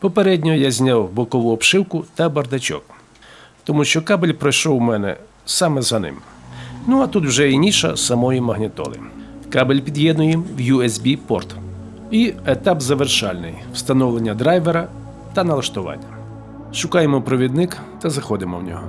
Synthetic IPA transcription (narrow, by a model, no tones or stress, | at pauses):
pɔpeɾɛdʲnʲɔɔjazʲnʲawbɔkɔʋʊɔpʃɪwkʊt̪ɐbɐrd̪ɐt͡ʃʲɔ̰k̚ | t̪ɔmuʃt͡ʃɔkɑbelʲpɾɔjʃɔwmɛnɛ̰ | sɑmɛzɐnɪ̰mnuɐt̪ut̪wʒɛinʲiʃɐ̰sɐmɔjimɐɦnʲɪt̪ɔ̰lˠɪ̰kɑbelʲpʲid̪ʲjɛd̪nʊjimwjuɛsbʲipɔ̰rt̪ | iet̪ɑbzɐʋerʃɑlʲnɪ̰jw̥st̪ɐnɔwlˠenʲːɐd̪ɾajʋeɾɐ | t̪ɐnɐlˠɐʃt̪ʊʋɑ̰nʲːɐ | ʃʊkɑjemɔpɾɔʋʲid̪nɪk | t̪ɐzɐxɔd̪ɪmɔ̰wnʲɔ̰ɦɔ̰